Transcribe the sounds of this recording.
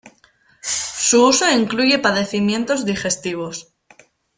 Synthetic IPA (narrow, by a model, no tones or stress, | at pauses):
suuso̞iŋkluʝe̞paðe̞θimjẽ̞nt̪o̞zðixe̞st̪iβ̞o̞s